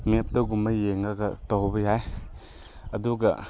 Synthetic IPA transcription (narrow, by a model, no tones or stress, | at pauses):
mep̚dɐɡumɐjeŋaɡɐtɔwbɐjaj | ɐduɡɐ̰